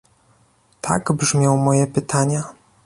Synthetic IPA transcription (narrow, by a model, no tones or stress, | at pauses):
t̪ʰa̰ɡbʐmʲjɔ̃w̃mɔjɛpɘt̪ʰaɲa